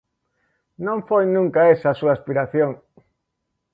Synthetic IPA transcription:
nõɱfojnũŋkaesasuaspiɾaθjoŋ

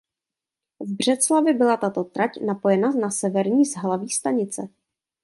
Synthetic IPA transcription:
vbr̝̥ɛt̪t͡slavɪbɪlat̪at̪o̞t̪ɾacnapo̞jɛnanasɛvɛɾɲiːzɦlaviːst̪aɲɪt͡sɛ

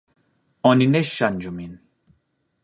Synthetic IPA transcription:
ɔnineʃːand͡ʒumin

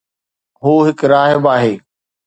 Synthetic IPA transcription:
ɦuːɦɪkɾaːɦjbaːɦeː

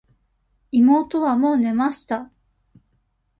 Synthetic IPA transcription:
imo̞ːt̪o̞βamo̞ːne̞maɕi̥t̪a

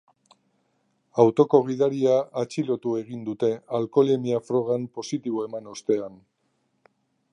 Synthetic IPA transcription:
awt̪o̞ko̞ɣ̞iðaɾiaːt͡ʃilo̞t̪ue̞ɣind̪ut̪e̞alko̞lemiafɾo̞ɣ̞ampo̞sit̪iβ̞o̞e̞mano̞st̪e̞an

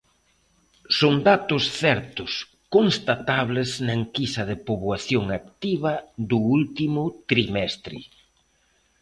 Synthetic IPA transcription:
soŋd̪at̪ʊsθɛɾt̪ʊs | konst̪at̪aβlɪznaŋkisɐðɪpoβwaθjoŋak̚t̪iβɐðʊult̪imʊt̪ɾimɛst̪ɾɪ̰

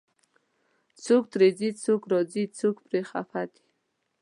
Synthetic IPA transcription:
t͡sʰuk̚t̪ɾed͡zit͡sʰukɾɔd͡zit͡sʰukpɾeχa̰fat̪i̥

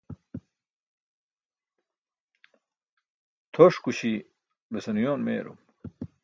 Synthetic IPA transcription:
t̪ʰoʂkuɕi | besɐnujoːnmḛːɾṵm

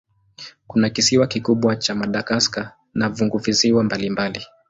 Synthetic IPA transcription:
kunakisiwakikuɓwat͡ʃamaɗaɡaska | navuŋɡuviziwambalimbali

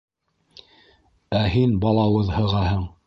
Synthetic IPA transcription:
æɦinbɑlˠɑwɤðhɤ̆ʁɑhɤɴ

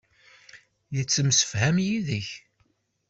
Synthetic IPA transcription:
jət͡sːəmsə̥fhæmjiðəç

